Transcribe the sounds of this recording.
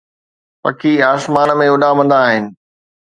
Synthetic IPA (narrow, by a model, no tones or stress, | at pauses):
pɐ̰kʰiːaːsmaːnmẽʊɗamɐ̃nd̪aːɦɪnɪ̆